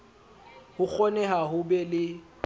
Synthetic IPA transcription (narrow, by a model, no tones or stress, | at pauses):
hʊk͡xʰɔnɛɦaɦʊbɛlɪ